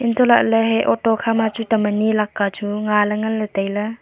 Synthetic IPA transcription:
int̪ʰɔlaʔləɦejʔɔtɔkʰamat͡ʃutamənilakːat͡ʃuŋaləŋɐlːət̪ajlə

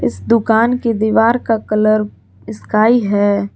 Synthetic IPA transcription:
ɪsd̪ʊkaːnked̪iːʋaːɾkakɐləɾ | ɪskaːiɦɛː

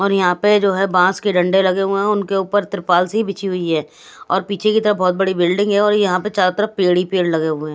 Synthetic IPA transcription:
ɔːɾjɐɦãped͡ʒoːɦɛbãːskeɖɐ̃ɳɖelɐɡeɦʊeɦɛ̃ʊnkeuːpəɾt̪ɪɾpaːlseɦibɪt͡ʃʰiɦʊiɦɛː | ɔːɾpiːt͡ʃʰekit̪ɐɾəbɔːt̪̚bɐɽibɪlɖɪ̃ŋɡɦɛɔːɾjɐɦãpet͡ʃaːɾt̪əɾəpeːɽipeːɽlɐɡeɦʊeɛ̃ː

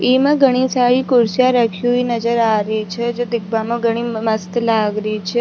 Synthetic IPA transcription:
imãɡʱəɽ̃isaɭikʊɾsjaɾəkʰjuinəd͡ʒəɾaɾit͡ʃʰed͡ʒod̪ɪk̚bamãɡʱəɽ̃ĩməst̪laɡɾit͡ʃʰe

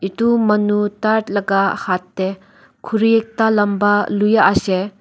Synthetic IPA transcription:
itumɐnutaɾtlɐɡahatːe | kʰuɾijek̚talɐmbalujaʔase

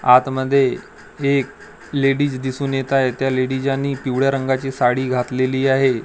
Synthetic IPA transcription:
at̪məd̪ʱːje | ek | leɽiːd͡zd̪isuːnjet̪aɦet̪jaleɽid͡ʑanːiːpiʋɽjaɾəŋɡat͡ɕiːsaɽiːɡʱat̪leliːaɦe

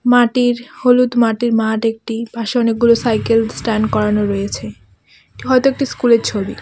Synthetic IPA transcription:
maʈiɾholut̪maʈiɾmaʈek̚ʈibʱaʃeɔnek̚ɡulosajkelsʈanɖkɔɾanoɾɔjet͡ɕʰe | ʈiɦɔet̪oek̚ʈiskuleɾt͡ɕʰobi

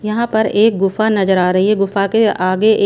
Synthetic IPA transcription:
jɐɦãpɐɾeːk̚ɡʊfanɐzəɾaːɾɐɦiɦɛɡʊfakeaːɡeʔ

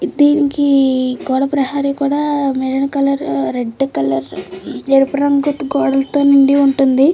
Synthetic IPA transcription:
d̪iːnikiɡɔːɽɐpɾɐɦaːɾikuːɽaːmelɐnɐkɐlɐɾɾeɖːkɐlɐɾeɾupɐɾɐŋɡut̪ɡɔːɽɐlt̪oːnuɳɖiuɳʈund̪i

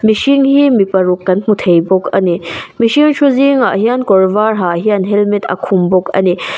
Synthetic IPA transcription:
miʃiŋhimipɐɾukːɐnm̥utʰejbɔkʰɐ̰nimiʃiŋʃʰuziŋahijankɔɾvaɾɦaɦijanɦelmitʰɐ̰kʰumbɔkɐ̰ni

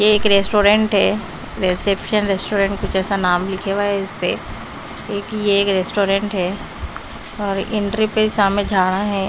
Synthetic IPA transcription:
jeːkɾeːsʈoːɾẽɳʈɦɛː | ɾesepʃənɾeːsʈoːɾẽɳʈ̚kʊt͡ʃʰɛːsanaːmlɪkʰeʋaɦɛɪspe | eːkjeeːkɾesʈoːɾẽɳʈɦɛː | ɔːɾɪ̃ɳʈɾipesaːmed͡ʒʱaːɽ̃aɦɛː

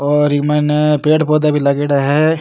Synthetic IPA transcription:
ɔːɾimɛnepeːɽpoːd̪abʱilɐɡeːɽaɦɛ

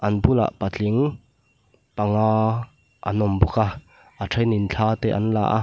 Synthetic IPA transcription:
ʔɐnbula̰ʔpat͡ɬiŋ | pɐŋaː | ʔɐ̰nɔmbuka | ʔatʰɐjnint͡ɬʰaːt̪ɛːʔɐnla̰ːʔa̰

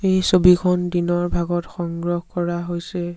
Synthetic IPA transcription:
ejsobikʰɔndinɔɹbʱaɡɔtxɔŋɡɹɔhkɔɹaɦojsɛ

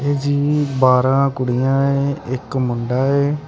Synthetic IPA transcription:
eːd͡ʒiːbaːɾãːkʊɽijãːeːɪkmʊɳɖaːeː

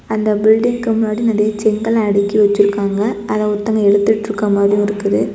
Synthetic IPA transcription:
ɐnd̪ɐbɪlɖɪŋkɯmʊnːaːɽinɐɽɐjɐt͡ʃɛŋɡɐɭɐɽɪkːiʋɐt͡ʃːɪɾɯkːaːŋɡɐɐðɐːʊt̪ːɐŋɡɐɛɽɯt̪ːɪʈːɾɯkːɐmaːd̪ɾɪjʊ̃ɪɾɯkːɐðɯ

